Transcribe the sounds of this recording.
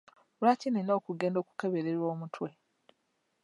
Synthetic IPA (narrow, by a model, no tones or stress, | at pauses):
ulacinenoːkuɡe̞ːndo̞ːku̥keβeɾeɾwoːmutwe̞